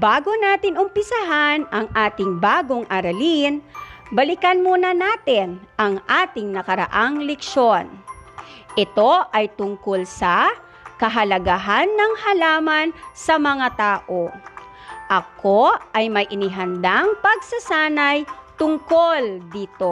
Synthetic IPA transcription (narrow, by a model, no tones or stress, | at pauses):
baːɡonaːt̪ɪnʊmpɪsaɦanʔɐŋʔaːt̪ɪŋbaːɡo̞ŋʔɐɾɐlinbɐlɪkɐnmonɐnaːt̪ɪnʔɐŋʔaːt̪ɪŋnɐkɐɾɐ̰ʔaŋlɛkʃo̞n | ʔɪt̪o̞ʔɐjt̪ʊŋkolsɐ | kɐɦɐlɐɡaɦanːɐŋhɐlaːmɐnsɐmɐŋat̪aːʔo | ʔɐkʰoɐjmɐjʔɪnɪɦɐnd̪aŋpɐɡ̚sɐsaːnɐjt̪ʊŋkold̪iːt̪o